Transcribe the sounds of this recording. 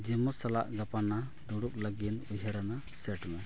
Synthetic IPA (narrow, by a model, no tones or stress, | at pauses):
d͡ʒɛmɔsala̰ʔɡapana | d̪uɽuk̚laɡinujɦaɾana | sɛʈmɛ